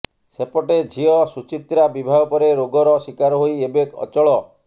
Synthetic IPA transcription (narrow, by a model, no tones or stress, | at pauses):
sepɔʈed͡ʒʱiɔsut͡ʃit̪ɾabibʱaɡɔpɔɾeɾoɡɔɾɔsikaɾɔɦojebekɔ̰t͡ʃɔɭɔ